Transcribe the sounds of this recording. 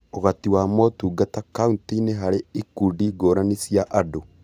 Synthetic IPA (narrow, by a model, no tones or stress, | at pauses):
oɣatiwaːmɔtuːɡatakauntineɦaɾeikudiɡoɾanesiaʔado